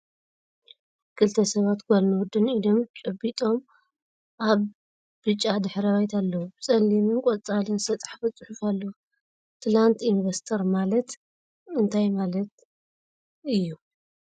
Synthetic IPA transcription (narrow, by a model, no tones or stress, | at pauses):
kʰɨlt̪ʰɐsɐβat̪kʰolnuwd̪ɨnid̪o̞mt͡ʃʼɨbit̪ʼo̞m | ʔaβ | bɨt͡ʃʼːad̪ɨħɾɐβajt̪ʰalːɐwubɨsʼɐlːimɨnkʼot͡sʼalɨnsɐt͡s̪ʼḁħfɨt͡sʼɨħʊfalːɐwu | t̪ʰlant̪ʰinvɐst̪ʰɐɾmalɐt̪ | ɨnt̪ʰajmalɐt̪ | ʔɨjːu